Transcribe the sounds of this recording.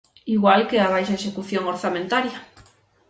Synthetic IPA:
iɣwalkeaβajʃaeʃekuθjoŋoɾθamẽnt̪aɾjɐ

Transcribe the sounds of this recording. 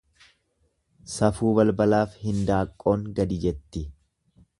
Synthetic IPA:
sɐfuːβɐlbɐlaːfhɪnd̪aːkʼːo̞ːŋɡɐd̪ɪd͡ʒɛt̪ːɪ

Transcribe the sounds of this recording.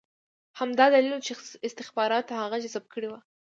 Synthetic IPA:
hamd̪ɑd̪alilot͡ʃeɪst̪ɪxbɑɾɑt̪ahaɣad͡ʒasab̚kʰəɽewa

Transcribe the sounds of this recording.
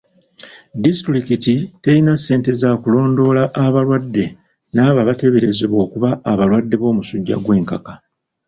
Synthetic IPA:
distɾikititeɾinasːe̞ːnte̞zaːkulo̞ːndo̞ːlaʔːβalwadːe̞ | naːβaβate̞βe̞ɾe̞zeβwo̞ːkuβaːβalwadːe̞βo̞ːmusuɟːa̰ɡwe̞ːŋkaka

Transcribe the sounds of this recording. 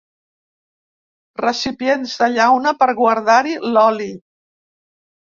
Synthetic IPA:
rəsipienzðəʎawnəpəɾɣwəɾðaɾilɔli

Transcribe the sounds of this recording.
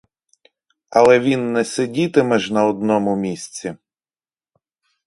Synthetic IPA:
ɐlˠɛʋʲinːɛsʲedʲit̪ɪmɛʒnɐɔd̪nɔmʊmʲisʲt͡sʲi

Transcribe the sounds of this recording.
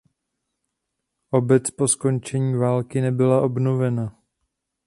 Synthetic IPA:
ʔo̞bɛt͡spo̞sko̞nt͡ʃɛɲiːvaːlkɪnɛbɪlaʔo̞bnovɛna

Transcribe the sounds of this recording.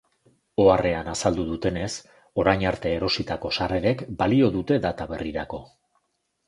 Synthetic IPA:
o̞are̞anasald̪uðut̪e̞ne̞s | o̞ɾajɲaɾt̪e̞ːɾo̞sit̪ako̞sare̞ɾe̞kbalio̞ð̞ut̪e̞ðat̪aβe̞riɾako̞

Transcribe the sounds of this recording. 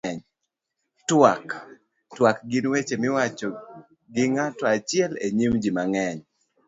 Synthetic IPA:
ɛɲ | twak | twakɡɪnwet͡ʃemɪwat͡ʃɔ | ɡɪŋatɔat͡ʃɪɛleɲimd͡ʒimaŋɛɲ

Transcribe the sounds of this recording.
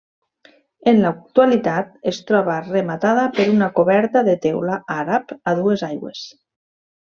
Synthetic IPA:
enlak̚t̪ualit̪at̪est̪ɾɔβaremat̪aðapeɾunakoβɛɾt̪aðet̪ɛwlaaɾapaðuezajɣwḛs

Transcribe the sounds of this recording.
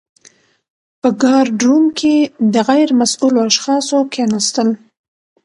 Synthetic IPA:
pəɡɑɾɖɾumkʰed̪əɣajɾmasuloaʃxɑsokʰenast̪əl

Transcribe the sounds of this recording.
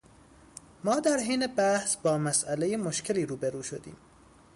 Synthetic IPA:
mɒːd̪æɾɦeːnebæhsbɒːmæsʔælejemoʃcʰe̞liːɾuːbeɾuːʃod̪ḭːm

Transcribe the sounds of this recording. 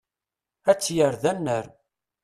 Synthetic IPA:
æt͡sːjəɾðænːəɾ

